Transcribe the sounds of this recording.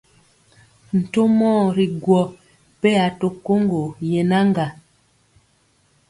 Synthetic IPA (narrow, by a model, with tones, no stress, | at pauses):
n̩˨to˦mɔː˦˨ɾi˨ɡwɔ˨ | pe˦a˨to˨ko˦ŋɡo˨je˨na˦ŋɡa˨